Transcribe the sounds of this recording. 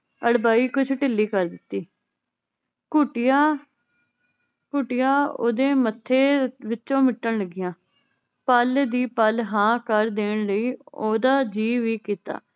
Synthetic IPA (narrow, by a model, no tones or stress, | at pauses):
əɽbaːiːkʊt͡ʃʰʈɪlːiːkəɾd̪ɪt̪ːiː | kʊʈɪjaː | kʊʈɪjaːo̰ːd̪eːmət̪ʰːeːʋɪt͡ʃõːmɪʈːəɳləɡɪjãː | pəːld̪iːpəlɦãːkəɾd̪eːɳləiːoːd̪aːd͡ʒiːʋiːkiːt̪a̰ː